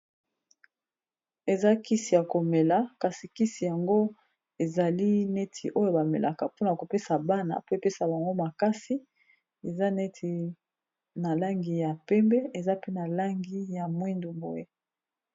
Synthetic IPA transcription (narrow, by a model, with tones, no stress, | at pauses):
e˨za˦ki˦si˨ja˨ko˨me˨la˦ka˨si˨ki˦si˨ja˨ŋɡo˦ | e˨za˨li˦ne˦tʰi˨ʔo˦jo˦ba˨me˨lʔa˨ka˨po˦na˨a˨ko˨pe˦sa˨ba˦na̰˨pe˦˨pe˦sa˨ba˨ŋɡo˦ma˨ka˦si˦ | e˨za˦nɛ˦tʰi˨ | na˨la˦ŋɡi˨ja˨pɛ˦mbɛ˦e˨za˦pe˦na˨la˦ŋɡi˦ja˨mwi˦ndu˨bo˨je˦